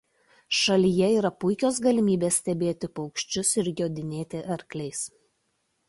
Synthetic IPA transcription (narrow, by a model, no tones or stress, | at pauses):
ʃɐlʲijɛiːɾɐpʊɪkʲoːsɡɐlʲɪmʲiːbʲeːssʲt̪ʲɛbʲeːt̪ʲɪpɒʊkʃʲt͡ʃʲʊsɪɾjoːd̪ʲɪnʲeːt̪ʲɪʔɐɾʲklʲɛɪs